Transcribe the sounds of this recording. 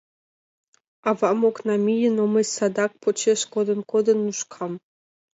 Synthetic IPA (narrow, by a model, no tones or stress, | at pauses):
ɑvɑmoknɑmʲijənoməsʲsɑd̪ɑk̚pot͡ɕeʃkod̪ɤ̆nkod̪ɤ̆nːuʃkʰɑm